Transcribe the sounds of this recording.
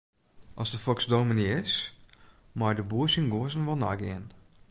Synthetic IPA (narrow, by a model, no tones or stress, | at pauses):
ʔɔsdəfɔksdoːminiɪs | majdəbuəsiŋɡoəsənʋɔlˠna̰ɡɪ̰ən